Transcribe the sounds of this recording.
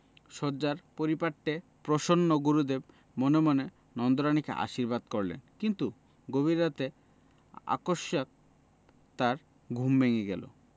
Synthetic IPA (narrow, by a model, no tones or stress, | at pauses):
ʃɔɾd͡ʑaɾpoɾipaʈːepɾoʃonːoɡuɾud̪eb̚ | monemone | nɔnd̪oɾañikḛʔa̰ʃiɾbad̪koɾlḛnkint̪u | ɡoβiɾat̪e | a̰koʃjak̚ | t̪aɾ | ɡʱumbeŋeɡɛ̰lo̰